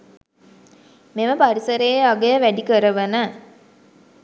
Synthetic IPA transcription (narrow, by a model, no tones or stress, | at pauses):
meʋəpaɾisəɾejeaɡejəʋæɖikəɾəʋənə